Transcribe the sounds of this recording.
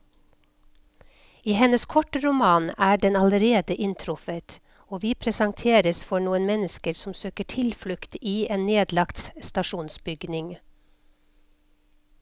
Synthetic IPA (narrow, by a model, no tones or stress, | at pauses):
iːhɛnəskʰɔʈəɾʊmɑːnæːɖɛnɑləɾeːd̪əʔɪnt̪ʰɾʊfət̪ | oːʋiːpʰɾɛsɑŋt̪ʰeːɾəsfɔɳuːənmɛnəskəɾsɔm̩søːkəʈʰɪlflʉkt̪iːeːnnːeːd̪lɑkt̪st̪ɑʃuːnsbʏɡnɪŋ